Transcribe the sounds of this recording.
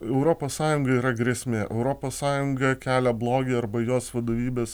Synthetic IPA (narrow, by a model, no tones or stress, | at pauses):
ɛʊɾoːpoːssɑːjʊŋɡɐiːɾɐɡɾʲɛsʲmʲeːʔɛʊɾoːpoːssɑːjʊŋɡɐkʲæːlʲɛblˠoːɡʲeːɐɾbɐjoːsʋɐd̪oːʋʲiːbʲeːs